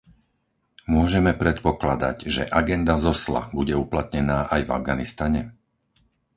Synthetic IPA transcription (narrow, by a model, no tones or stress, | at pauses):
mʊɔʒɛmɛpɾɛt̪pɔklad̪a̰ɟʒɛ̰ʔaɡɛnd̪azɔsla̰buɟɛuplat̪ɲɛnaːʔajva̰vɡanist̪aɲɛ